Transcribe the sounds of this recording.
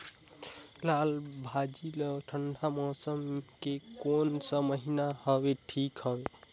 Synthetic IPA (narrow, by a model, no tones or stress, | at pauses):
lalbʱad͡ʒiləʈʰəɳɖʱamɔsəmkekonsəməɦinahʌbeʈʰikɦʌbe